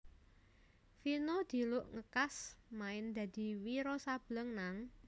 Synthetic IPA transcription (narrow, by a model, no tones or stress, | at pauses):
finɔd̪̥i̤lʊʔŋəkasmaɪnd̪̥ä̤d̪̥i̤wiɾɔsab̥ləŋnaŋ